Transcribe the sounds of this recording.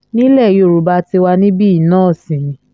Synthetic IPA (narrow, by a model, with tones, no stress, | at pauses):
nĩ˦lɛ˦˨jo˦˨ɾu˨ba˧ti˧wa˧nĩ˦bi˦˨nãː˦˨sĩ˨